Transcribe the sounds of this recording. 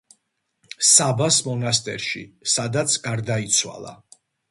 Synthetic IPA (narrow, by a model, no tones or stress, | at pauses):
sabasmɔnast̪ʼɛ̰ɾʃḭsad̪at̪sʰɡaɾd̪ait̪sʰwa̰lˠa̰